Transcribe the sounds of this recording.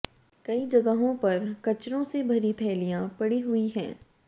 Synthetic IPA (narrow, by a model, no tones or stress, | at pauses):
kɐid͡ʒɐɡəɦõpɐɾkɐt͡ʃɾõsebʱɐɾit̪ʰɛːlijãpɐɽiɦʊiɦɛ̰̃ː